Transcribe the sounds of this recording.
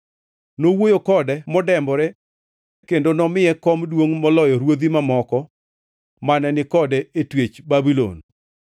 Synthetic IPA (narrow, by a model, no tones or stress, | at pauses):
nowojokɔdɛmɔdɛmbɔɾɛ | kendonɔmɪjɛkɔmdwoŋmɔlɔjɔɾwod̪imamɔkɔ | manɛnɪkɔdɛetwet͡ʃbabilo̰n